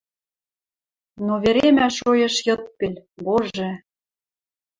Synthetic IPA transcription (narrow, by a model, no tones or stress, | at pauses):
noβeɾemæʃojɤ̆ʃjɤ̆t̪̚pelʲboʒĕ